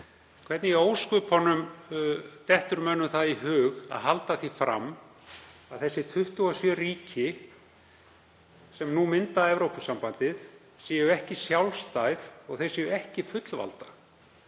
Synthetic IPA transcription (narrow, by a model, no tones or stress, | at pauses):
kʰvɛɾt̪nɪɛoːwskʏphɔnːʏm | t̪ɛht̪ʏɾmœnːʏmθaðiɦʏːɣa̰ðɦalt̪aθifɾa̰m | aðθɛsːɪt̪ʰʏht̪ʏɣasjœriːcɪ | sɛmnumɪnt̪aɛvɾowpʏsampant̪ɪð | sjɛjʏɛhcɪsjawlst̪ajθɔɣθejsɛːjʏɛhcɪfʏt̪lva̰lt̪ḁ